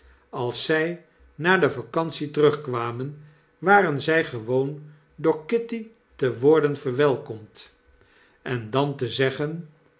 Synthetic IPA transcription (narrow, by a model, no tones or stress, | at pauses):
ɑlˠsːɛj | naːdəvakɑnsitərɵχkʋaːmən | ʋaːrənzɛjχəʋown | doːɹkɪti | təʋʊːɹdənvəɹʋɛlˠkɔmt | ɛndɑntəzɛχən